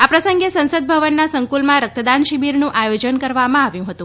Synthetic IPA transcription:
apɾəsəŋɡesə̃nsəd̪̚bʱəʋənːasəŋkulmãɾək̚t̪əd̪anʃibiɾnũʔajod͡ʒənkəɾʋamãaʋjũɦət̪ũ

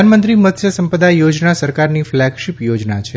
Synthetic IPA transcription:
anmənt̪ɾimət̪ʰjəsəmpəd̪ajod͡ʒnasəɾkaɾniflɛɡʃipjod͡ʒnat͡ʃʰe

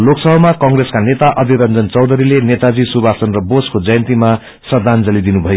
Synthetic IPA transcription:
loksʌbʌmakʌŋreskanet̪aʔʌd̪ʱiɾʌnd͡zʌnt͡sʌwd̪ʱʌɾilenet̪ad͡zisubʱasʌnrʌboskod͡zʌjʌnt̪ima | sʌd̪ʱand͡zʌlid̪inubʱʌjo

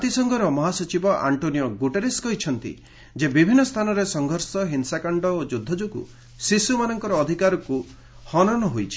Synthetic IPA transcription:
at̪isɔŋɡʱɔɾɔmɔɦasɔt͡ʃibɔʔa̰ɳʈonijɔɡuʈeɾeskɔɦit͡ʃʰɔnt̪ḭ | d͡ʒebibʱinːɔst̪ʰanɔɾesɔŋɡʱɔɾsɔɦinsakaɳɖɔod͡ʒud̪ʱːɔd͡ʒukṵ | sisumanɔŋkɔɾɔːd̪ʱikaɾɔku | hɔnɔnɔɦojt͡ʃʰi̥

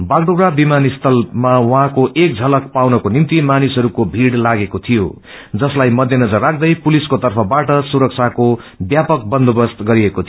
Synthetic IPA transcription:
baɡɖoɾabimanist̪ʰʌlmawʌɦãkoʔek̚d͡zʱʌlʌkpawnʌkonimt̪imanisɦʌɾukobʱiɽlaɡekot̪ʰijo̰ | d͡zʌslajmʌd̪ʱjʌnʌd͡zʌrːak̚ʰd̪ʌjpuliskot̪ʌrpʰʌbaʈʌsuɾʌk̚t͡sʰako | bjapʌk̚bʌnd̪ʱobʌst̪ɡʌɾiekot̪ʰi

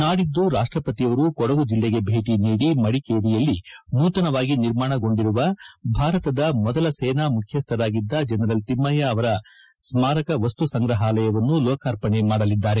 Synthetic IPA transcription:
naːɽid̪ːuɾaːʂʈɾɐpɐt̪ijɐʋɐɾukɔɽɐɡud͡ʒilːeɡe̞bʱeːʈiniːɽimɐɽikeːɾijɐlːinuːt̪ɐnɐʋaːɡiniɾmaːɳɐɡo̞ɳɖiɾuʋɐbʱaːɾɐt̪ɐd̪ɐmɔd̪ɐlɐsɛːnamukʰjɐst̪ʰɐɾaːɡid̪ːɐd͡ʒɛnɐɾɐlt̪imːɐjɐːʋɐɾɐ | smaːɾɐkɐʋɐst̪usɐŋɡɾɐɦaːlɐjɐʋɐnːulɔːkaːɾpɐɳemaːɽɐlid̪ːaːɾe̞

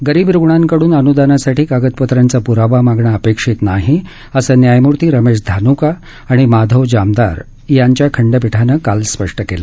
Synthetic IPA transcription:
ɡəɾiːbɾuɡɳaŋkəɽuːnənud̪anasaʈʰiːkaɡət̪pət̪ɾant͡sapuɾaʋamaɡɳaəpekʂiːt̪naɦi | əsəːnjajmuɾt̪iːɾəmeʂ̬d̪ʱanukaː | ɽ̃imad̪ʱəʋd͡ʑamd̪a̰ɾ | jaɲt͡ɕjakʰəɳɖəpiʈʰanəkalspəʂʈəkela

